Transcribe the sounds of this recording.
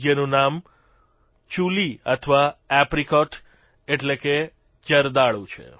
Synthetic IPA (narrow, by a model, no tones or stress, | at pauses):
jənũnam | t͡ʃuliət̪ʰʋaɛpɾikɔʈ | eʈleke | d͡ʒəɾd̪aɭũt͡ʃʰḛ